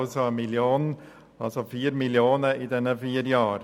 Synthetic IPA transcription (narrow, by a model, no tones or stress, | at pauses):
lsɔmɪljoːn | ɑlsɔfiːɾmɪljoːnəiːd̪ɛnːəfiːɾjɑːɾ